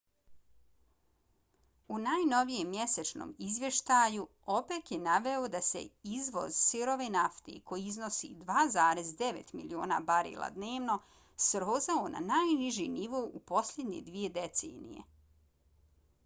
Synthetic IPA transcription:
unaːjno̞ʋijemːje̞set͡ʃno̰ːmizʋje̞ʃt̪aːju | o̞peːt̪jenaʋeod̪ase̞̰izʋo̞̰zsiɾoʋenaft̪ḭkʰo̞jiizno̞sḭd̪ʋaːzaːɾezd̪e̞ʋḛt̪milioːna̰baɾḭla̰d̪ne̞ːʋno̞ | sɾoːzaona̰naːjniʒiniʋoʔupo̞sʎʲed̪ɲḛd̪ʋije̞d̪et̪sḛːnḭje̞̰

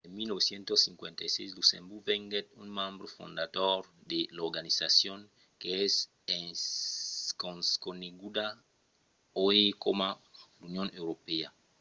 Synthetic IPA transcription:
enmilnoβesjẽnt̪osːĩŋkwẽnt̪ajsejslusḛ̃mbuɾveŋɡet̪unmãmbɾofõ̰nd̪ad̪oɾd̪eloɾɡanisasjõŋ | keɛs | e | koskoneɡud̪a | oekomalunjõnewɾopea

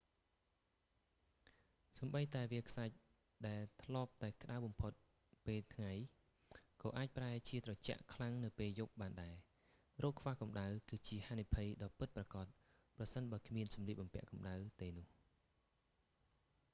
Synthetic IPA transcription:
sɑmɓəjt̪aɛʋiəkʰsac̚ | ɗaɛlt̪ʰlŏəp̚t̪aɛkə̆ɗawɓɑmpʰot̪̚ | peːlt̪ʰŋaj | kɑːʔaːc̚praɛt͡ɕiət̪rɑt͡ɕă̰ʔkʰlaŋnɨwpeːljup̚ɓaːnɗaɛ | roːkʰːʋaːhkɑmɗawkɨːt͡ɕiəhaːnipʰəjɗɑːpɨt̪̚prɑkɑt̪̚ | prɑsənɓaəkʰmiənsɑmliəp̚ɓɑmpɛ̆əʔkɑmɗawt̪eːnʊ̆əh

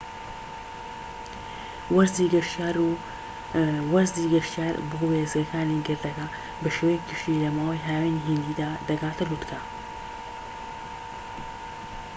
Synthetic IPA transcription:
wɐzd̪iɡɐʃaɾ | wɐzd̪iɡɐʃt̪jaːɾboweːzɡɐkʰaːniɡɨɾd̪ɐkɐ | bɨʃewɐjkɨʃilɐmaːwajɦaːweniɦind̪id̪aːd̪ɐɡaːt̪ɨɾut̪kʰa

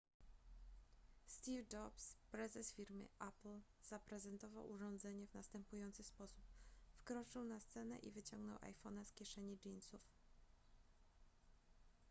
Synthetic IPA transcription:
st̪ʲivd͡ʒɔpspɾɛzɛsfʲiɾmɘ̰ʔapl | z̥apɾɛzɛnt̪ɔva̰wʔuʐɔnd̪zɛɲɛvnast̪ɛmpujɔnt̪sɘspɔsupfkɾɔt͡ʂɘwnast̪sɛnɛ̰ʔḭvɘt͡ɕɔŋɡnɔwʔa̰jfɔnaskʲjɛʂɛɲid͡ʒinsuf

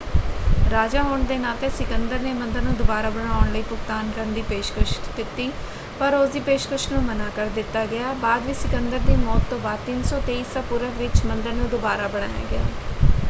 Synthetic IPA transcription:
ɾaːd͡ʒaːɦoːɳd̪eːnaːt̪ẽːsɪkənd̪əɾneːmə̃nd̪əɾnũːd̪ʊbaːɾaːbəɽ̃aːʊɳləiːpʊkt̪aːnkəɾənd̪iːpeːʃkɾəʃʈt̪ɪt̪ːiː | pəɾʊsd̪iːpeːʃkɾəʃnũːmənaːkəɾd̪ɪt̪ːaːɡɪaːbaːd̪ʋiːsɪkənd̪əɾd̪iːmɔːt̪ːõːbaːt̪ɪnsɔːt̪eːiːsaːpuɾəʋɪt͡ʃmənd̪əɾnũːd̪ʊbaːɾaːbəɽ̃a̰ːja̰ːɡɪa̰ː

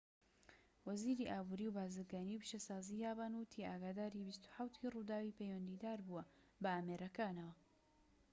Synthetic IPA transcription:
wɐziːɾiːʔaːbuɾiwbaːzɨɾɡaːniwpʃɐsaːzijaːbanwt̪ʰiaːɡaːd̪aːɾibist̪u̥ħawt̪ʰirud̪aːwipʰejwɐnd̪iːd̪aːɾbuwɐ | bɐaːmeːɾɐkaːnɐwɐ

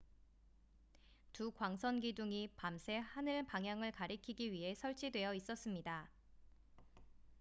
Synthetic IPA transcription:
tukwaŋsʰʌnɡiduŋipamsʰe̞hanɯɭpaŋjaŋɯɭkaɾikʰiɡiɥiɦe̞sʰʌɭt͡ɕ͈idwe̞jʌis͈ʌs͈ɯmɲida

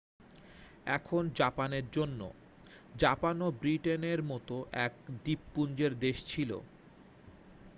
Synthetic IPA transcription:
ɛ̰kʰond͡ʑapaneɾd͡ʑonːo̰ | d͡ʑapanobɾiʈeneɾmɔt̪oʔɛkd̪ipːund͡ʑeɾd̪eʃt͡ɕʰilo̰

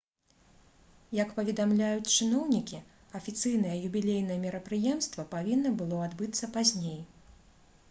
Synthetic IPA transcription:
jɐkpɐvʲɛd̪amlʲajut͡sʲt͡ʂɨnɔwnʲikʲi | ɐfʲit̪sɨjn̪ɐjɛjubʲilʲejnɐjɛmʲiɾɐpɾɨjɛmst̪vɐpavʲinːɐbɨlˠɔad̪bɨt̪sːɐpazʲnʲej

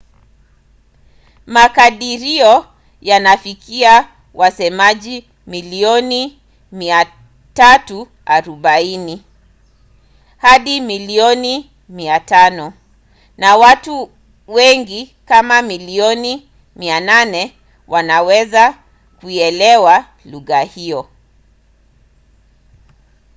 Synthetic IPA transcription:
makaɗiɾiɔ | janafikia | wasɛmaʄi | miliɔni | mia | tatu | aɾuɓaini | haɗimiliɔni | miatanɔ | nawatu | wɛŋɡi | kamamiliɔni | miananɛ | wanawɛza | kuɛlɛwa | luɣahiɔ

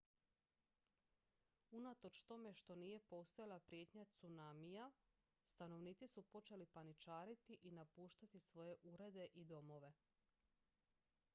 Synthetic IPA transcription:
unat̪o̞t͡ʃt̪o̞me̞ʃt̪o̞nije̞po̞st̪ojalapɾije̞ːt̪ɲat̪sunamija | st̪ano̞ʋniːt̪sisupo̞t͡ʃe̞lipanit͡ʃaːɾit̪iʔinapuːʃt̪at̪isʋo̞je̞ʔuɾe̞d̪e̞ʔid̪o̞mo̞ʋe̞

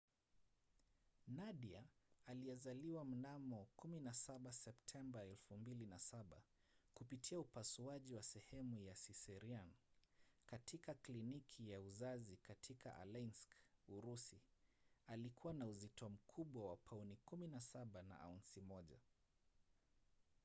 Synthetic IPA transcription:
naɗiaːliɛzaliwam̩namɔkuminasaɓasɛptʰɛmbaɛlfumbilinasaɓa | kupitʰiaupasuaʄiwasɛhɛmujasisɛɾian | katʰikaklinikʰijauzazikatʰikʰa̰ʔa̰lanskuɾusi | alikʰuwanauzitɔm̩kʰuɓwawapʰaunikuminasaɓana̰ʔa̰unsimɔʄa̰

